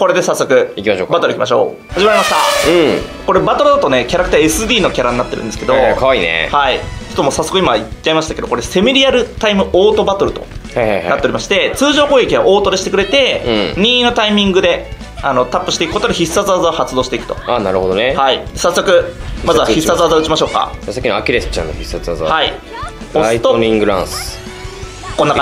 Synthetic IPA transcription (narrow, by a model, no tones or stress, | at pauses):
ko̞ɾe̞d̪e̞sasːo̞kɯ̟ikʲimaɕoːkbat̪o̞ɾɯ̟ikʲimaɕo̞̰ː | haʑimaɾimaɕt̪ã | ko̞ɾe̞bat̪o̞ɾɯ̟d̪at̪o̞ne̞kʲaɾakɯ̟̥t̪aesɨd̪ʲiːno̞kʲaɾaɲ̟inat̪ːeɾɯ̰̃nd̪esɨ̥ked̪o̞kaβainḛhait͡ɕot̪omoːsasːo̞kɯ̟imaiːaimaɕi̥t̪ake̞d̪oko̞ɾese̞miɾʲiaɾɯ̟t̪aimɯ̟ʔoːt̪o̞bat̪o̞ɾɯ̟t̪o̞̰ahajnaat̪ːeɾʲimaɕi̥t̪e̞t͡sɨːʑo̞ːkoːekʲiaʔo̞ːt̪o̞d̪eɕi̥t̪ekɯ̟ɾet̪ẽ̞ɲ̟ĩːnot̪aimʲĩŋɡɯ̟d̪e̞ | ano̞t̪apːɯ̟ɕi̥ekɯ̟ko̞t̪od̪eçisːazazaohat͡sɨd̪o̞ːɕi̥t̪eikɯ̥t̪o̞̥̰anaɾɯ̟hod̪onehaid̪sasːo̞kɯ̟mazɨβaççisːazazaɯ̟t͡ɕimaɕo̞ːka̰d͡ʑasakʲinoakʲiɾesɨ̥t͡ɕã̰nːoçisazazhaḭ | ot̪oĩŋɡɯ̟ɾã̰sɨ̥ | konːak